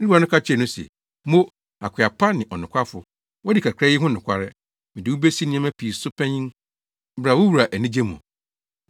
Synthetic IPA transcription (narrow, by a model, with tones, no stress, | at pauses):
nɪ˦a˨nʊ̃˦kʰa˦t͡ɕʰɛ˨nʊ̃˦sɛ̰˨ | mo˦ | a˨kʷʰa˨pʰa˦nɪ̃˨ʔɔ˨nʊ̃˨kʷʰa˦fʊ˨ | wɔ˦dɪ˨kʰa˨kʰɾɛ˦jɪ˦ɦʊ̃˦nʊ̃˨kʰʷa˦ɾɪ˦ | mɪ̃˨dɪ˨wu˦be˦si˦nɪ̃˦ɛ̃˦mæ̃˦pʰi˨sʊ˦pʰɛ̃˦ɲĩ˦n˦ | bɾa˨wʊ˦wu˨ɾa˨ʔæ˨nĩ˦d͡ʑe˦mṵ̃˨